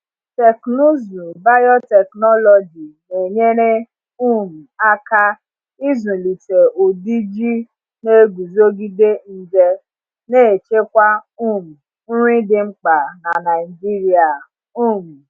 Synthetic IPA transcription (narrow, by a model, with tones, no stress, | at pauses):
tɛ˨kno˦zu˨ba˦jɔ˦tɛ˨knɔ˦lɔ˨d͡ʒi˨ne˨ɲe˦ɾe˦ | u˦˨m̩˨a˦ka˦ | i˦zũ˨li˨te˨ʔo˨di˦d͡ʒi˦ | ne˦ɡu˨zo˦ɡi˦de˦n̩˦d͡ʒe˦ | ne˦˨t͡ʃe˦kʷa˦u˦˨m̩˨ | n̩˦ɾi˦dɪ˨ŋ͡m̩˦k͡pa˨na˨na˨ɪ˨d͡ʒi˦ɾi˦a˨ | u˦˨m̩˨